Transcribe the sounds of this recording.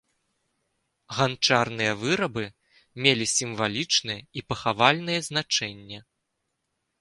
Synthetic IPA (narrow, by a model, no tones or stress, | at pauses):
ɣant͡ʂarn̪ɨjɐvɨɾɐbɨ | mʲelʲisʲimvalʲit͡ʂnɨjɛipɐxavalʲn̪ɨjɛznat͡ʂɛnʲːɛ